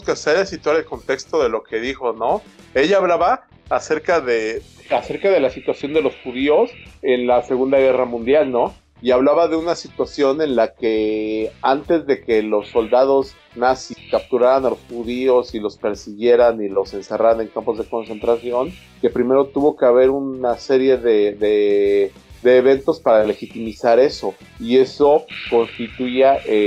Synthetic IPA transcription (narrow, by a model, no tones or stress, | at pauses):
skaseɾasit̪waɾe̞lko̞nt̪e̞kst̪o̞ðe̞lo̞ke̞ðixo̞no̞ | e̞ʝaːβlaβaː | se̞ɾkaðe | ase̞ɾkað̞e̞lasit̪wasjo̞nd̪e̞lo̞sxuðio̞se̞nlase̞ɣund̪aɣ̞e̞ramũnd̪jalno̞ | iaβlaβaðe̞unasit̪wasjo̞ne̞nlake̞ant̪e̞zðe̞ke̞lo̞sːo̞ld̪að̞o̞s | nasikap̚t̪uɾaɾanalosxuðio̞silo̞spe̞ɾsiɣje̞ɾanilo̞se̞nse̞raɾane̞ŋkampo̞zðe̞ko̞nse̞nt̪ɾasjo̞ŋ | ke̞pɾime̞ɾo̞t̪uβo̞ke̞aβ̞e̞ɾunase̞ɾje̞ðeðe | d̪e̞ːβe̞nt̪o̞spaɾale̞xit̪imisaɾe̞so̞ | ie̞so̞ko̞nst̪it̪uiaʔe